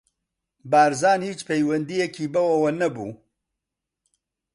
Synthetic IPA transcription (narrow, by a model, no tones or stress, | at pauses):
baːɾzaːnhiːt͡ʃpʰejwɐnd̪ijɛkʰiːbɐwɐwɐnɐbṵː